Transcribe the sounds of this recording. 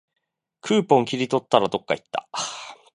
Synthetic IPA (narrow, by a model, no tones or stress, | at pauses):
kʰɯ̟ːpõ̞ŋkʲiɾʲit̪o̞t̪ːaɾad̪o̞kːait̪ːa̰